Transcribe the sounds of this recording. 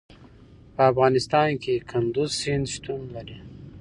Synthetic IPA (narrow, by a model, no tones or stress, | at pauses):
pəafɣɑːnɪst̪ɑnkekʰand̪uzsɪnd̪ʃt̪unlaɾi